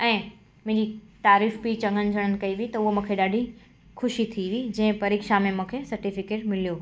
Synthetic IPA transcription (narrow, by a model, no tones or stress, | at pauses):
ɛ̃ː | mʊ̃ɦɪ̃d͡ʑit̪aːɾiːfpit͡ɕɐ̃ŋɡənɪ̆d͡ʑʱəɽ̃ənɪ̆kɐiʋiit̪ɐʊɦomũːkʰeɗaːɖʱi | xʰʊʃit̪ʰiʋid͡ʑɐ̃ɦɪ̃pɐɾiːkʃamẽmũːkʰesɐɾʈifɪkeːʈmɪlijo